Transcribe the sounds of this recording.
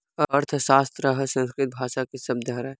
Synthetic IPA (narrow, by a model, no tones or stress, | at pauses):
ɐɾt̪ʰsaːst̪ɾəɦəsə̃nskɾɪt̪̚bʱaːʃakesɐb̚d̪ʱəɦɾa